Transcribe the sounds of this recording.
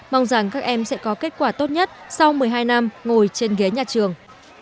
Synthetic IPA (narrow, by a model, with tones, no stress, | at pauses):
ma˧wŋ͡mza˧˩ŋkaː˦˥k̚ʔɛ˧msɛ̰˧˥kɔ˨˦ke˦˥t̚kwaː˧˩t̪o˦˥t̚ɲə˦˥t̚sa˧wmɨ˨˩əjɦaː˧jna˧mŋo˨˩jt͡ɕe˧nɣi˨˦əɲaː˨˩t͡ɕɨ˨˩əŋ